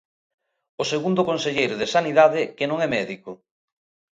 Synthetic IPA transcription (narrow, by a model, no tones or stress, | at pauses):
oseɣund̪ʊkonseʎejɾʊðesaniðaðɪkenõŋɛmɛðiko